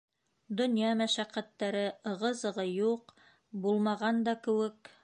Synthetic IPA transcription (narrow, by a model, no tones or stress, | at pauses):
d̪ŏnjɑmæʃæqːæt̪ːæɾɘɤ̆ʁɤzɤ̆ʁɤjuq | bulˠmɑʁɑnd̪ɑkɘ̆wɘk